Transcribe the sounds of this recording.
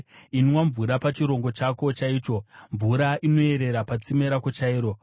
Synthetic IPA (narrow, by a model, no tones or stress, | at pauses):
inwaɱvuɾapat͡ʃiɾo̞ŋɡo̞t͡ʃako̞t͡ʃaiːt͡ʃo̞ɱvuɾaʔino̞e̞ɾe̞ɾapat͡simeɾakot͡ʃaiːɾo̞